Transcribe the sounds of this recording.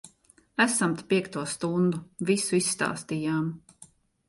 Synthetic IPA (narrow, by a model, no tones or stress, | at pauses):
æsamt̪i̥pʲiɛkt̪uɔst̪und̪uvisuisːt̪a̰ːst̪ijaːm